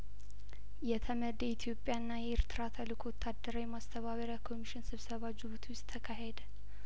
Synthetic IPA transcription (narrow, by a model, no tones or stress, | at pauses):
jɛt̪ʰəməd̪əit̪ʰjo̞pʼːjaɨnːajɛɛɾt̪ʰɨɾat̪ʰalɨkʰowt̪ʰːad̪ːəɾəwjɛmast̪ʰəβaβəɾjakʰo̞miʃɪnsɨβsəβad͡ʒɨβut̪ʰwɪst̪ʰːəkʰaɦed̪ə